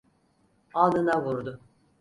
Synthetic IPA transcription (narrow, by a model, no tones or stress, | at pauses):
alˠɯnavuɾd̪ʊ